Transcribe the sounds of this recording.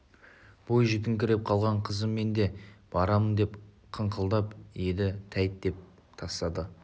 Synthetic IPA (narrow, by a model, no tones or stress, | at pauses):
b̥o̞jʒɪk̪ʲɪŋkʲɪɾe̞p̚qʰɑlˠʁɑɴqʰəzəmːe̞nd̪e̞b̥ɑɾɑmənd̪e̞p | qʰəɴqʰəlˠd̪ɑped̪ɪt̪ʰæjt̪̚d̪e̞p̚ | t̪ʰɑst̪ɑd̪ə